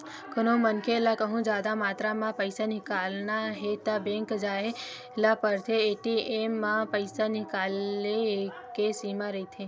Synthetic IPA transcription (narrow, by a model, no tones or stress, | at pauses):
kənomənkelakəɦũd͡ʒad̪amaːt̪ɾamãpəjsanikalnaɦet̪abẽŋkd͡ʒae | lapəɾt̪ʰeːʈiemːãpəjsanikale | kesimãɾəɦit̪ʰe